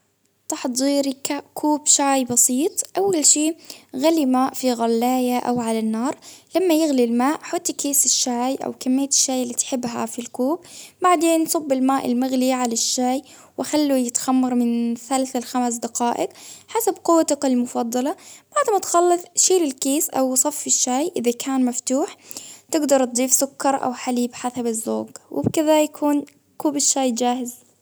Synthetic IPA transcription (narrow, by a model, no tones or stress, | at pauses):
t̪ˤɑħt̪zˤiːɾkaʔkʰuːbʃaːjbɑsiːt̪ˤʔawːalʃiːɣalːimaːʔfiɣalːaːjaʔa̰wʕalanːɑːɾˤlamːajɪɣlilmaːʔħʊt̪ˤːkeːsɪʃːaːjʔa̰wkamːɪjːt̪ɪ̥ʃːaːjɪlːiːt̪ħɪbːɦa̰filkuːbbaʕd̪eːnsˤɑbːɪlmaːʔɪ̰lmʊɣliʕalaʃːaːj | wʔaxalːujɪt̪xamːɑɾˤmɪnθalθalxamsd̪aqɑːʔɪqħasabquwːt̪aqɪlmʊfɑd̪ˤːɑlɑb̥aʕd̪mat̪xɑlːɨθˤʃiːlɪlkiːsʔa̰wsˤɑfːɪʃːaːjʔɪðakʰaːnmaft̪uːħt̪ɪɡd̪ɑɾˤt̪̚d̪ˤiːfsʊkːɑɾˤʔa̰wħaliːbħasabɪzːo̰ːɡwʔɪ̰bkɪðajakʰuːn | kuːbɪʃːaːjd͡ʒaːhɪz